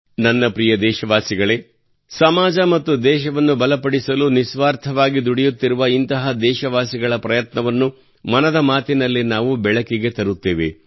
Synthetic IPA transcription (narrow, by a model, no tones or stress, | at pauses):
nɐnːɐpɾijɐd̪ɛːʃɐʋaːsiɡɐɭe | sɐmaːd͡ʒɐmɐt̪ːud̪ɛːʃɐʋɐnːubɐlɐpɐɽisɐlunisʋaːɾt̪ʰɐʋaːɡid̪uɽijut̪ːiɾuʋɐint̪ɐɦɐd̪ɛːʃɐʋaːsiɡɐɭɐpɾɐjɐt̪nɐʋɐnːu | mɐnɐd̪ɐmaːt̪inɐlːinaːʋubɛɭɐkiɡet̪ɐɾut̪ːeːʋḛ